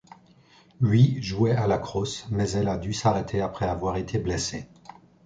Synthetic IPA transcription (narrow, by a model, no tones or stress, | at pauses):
ɥiʒuɛalakχosmɛzɛlad̪ysaʁet̪ʰeapχɛavwaʁet̪ʰeblɛse